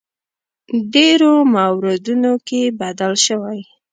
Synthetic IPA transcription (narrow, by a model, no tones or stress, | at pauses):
ɖeɾomawɾɪd̪unokebad̪alʃəwaj